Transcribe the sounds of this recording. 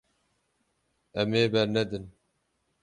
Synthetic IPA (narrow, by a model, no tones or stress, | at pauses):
ɛmeːbɛɾnɛd̪ɨn